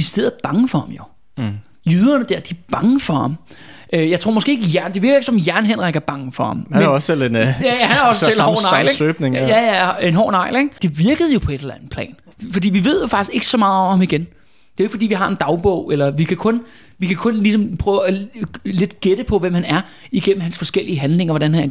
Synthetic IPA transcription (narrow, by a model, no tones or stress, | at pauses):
isd̥eð̰̩ˠb̥ɑ̈ŋəfɒ̽hɑ̈mjo̝ | jyːð̞ˠɐnəd̥æɐ̰d̥iæɐb̥ɑ̈ŋəfɒ̽hɑ̈mʔøjɑ̈ɪt͡sʰʁo̝ɐ̰mɒsɡ̥e̝ːeɡəjæɐnd̥e̝ʋiɐɡɐeɡəsɒ̽mjæɐnɦen̰ʁaɡ̥ɐb̥ɑ̈ŋəfɒ̽hɑ̈mmeɒsselenjæjæhænɒsəssel̰hɒ̰nɑɪ̰leɡøb̥neŋjæjæenɦɒ̰ːnɑ̈ɪ̰leɡ̥d̥e̝ʋiɐɡ̥əð̞̩ˠjo̝pʰɒ̽e̝d̥elænð̩ˠpʰlɛ̰ːn | fɒ̽d̥ḭːʋiʋe̝ð̞̰ˠjo̝fɑ̈ɡ̥isɡ̥e̝ɡ̥ə̥sɒ̽mɑ̈ːð̩ˠɒ̽mhɑ̈miɡ̥en | d̥e̝oeɡ̥fɒd̥ḭːʋiɦɑ̈e̝nd̥ɑ̈ʊb̥ɔ̰ʊ̰elɐʋikʰækʰɔ̽n | ʋikʰækʰɔ̽nlisɒ̽mpʰʁœːʊæle̝d̥ɡ̥ed̥əpʰɒ̽ʋem̰hænæɐ | iɡ̥em̰m̩ɦænsfɒ̽sɡ̥el̰iəɦænle̝ŋɐʋɒɾ̥ænhæn